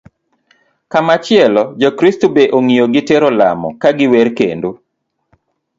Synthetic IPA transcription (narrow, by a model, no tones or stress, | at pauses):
kamat͡ʃɪɛlɔd͡ʒɔkɾistobeʔoŋijoɡɪtɛɾɔla̰mɔ̰kaɡɪwɛɾkḛndo